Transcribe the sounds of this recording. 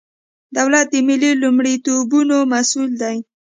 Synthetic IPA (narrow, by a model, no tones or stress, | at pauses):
d̪awlat̪̚d̪əmɪlilumɽit̪obunomasuld̪aj